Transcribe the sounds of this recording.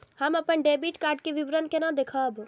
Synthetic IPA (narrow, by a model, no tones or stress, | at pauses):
həməpənɖebiʈkaɖ̚keʋibɾənkenãd̪ekʰəb